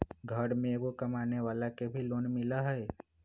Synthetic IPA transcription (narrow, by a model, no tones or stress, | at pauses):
ɡʱəɾmẽɡokɐmaːneʋaːlakebʱiloːnmɪlaɦɛɛ